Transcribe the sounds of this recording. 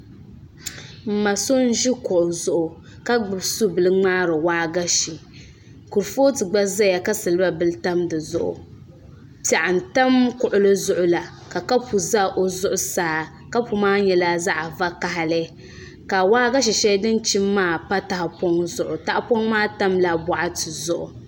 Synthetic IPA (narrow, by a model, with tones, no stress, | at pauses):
m̩˨ma˨so˦n̩˦ʒi˦kʊ˨ʔʊ˨zʊ˨ʔʊ˨ | ka˦ɡ͡bɨ˨bsu˦bɨ˨lɨ˦ŋ͡maː˦ɾɨ˨waː˦ɡa˦ʃi˨ | ku˨ɾfo˦tɨ˨ɡ͡ba˦za˦ja˨ka˦sɨ˨lɨ˦ba˦bɨ˦lɨ˦ta˦mdɨ˨zʊ˨ʔʊ̰˨ | pa˨ʔa˨n̩˨ta˦mkʊ˨ʔʊ˨lɨ˦zʊ˨ʔʊ˦la˨ | ka˨ka˦pu˨za˦ʔo˦zʊ˦ʔʊ˦saː˨˦ | ka˦pu˨maː˦ɲɛ˨la˦za˦ʔa˨va˦ka˨ɦa˨lɨ˦ | ka˨waː˦ɡa˦ʃ̬i˨ʃɛ˦dɨ˦n˦t͡ʃi˦mːaː˦˨pa˦ta˨ha˨po˦ŋzʊ˨ʔʊ˨ta˦ʔpo˦ŋmaː˦ta˦mla˨bɔ˨ʔa˦tɨ˨zʊ˨ʔʊ̰˨